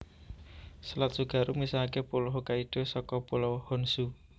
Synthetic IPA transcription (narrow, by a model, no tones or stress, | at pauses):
səlat̪̚suɡ̥ä̤ɾumisakepulɔɦokaiɖ̪̥o̤sɔkɔpulɔhɔnsu